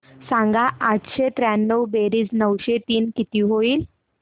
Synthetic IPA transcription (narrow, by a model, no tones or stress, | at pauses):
sãŋɡaʔat̪ɕet̪ɾænːəwbeɾiːd͡znəwɕet̪iːnkit̪iɦoiːl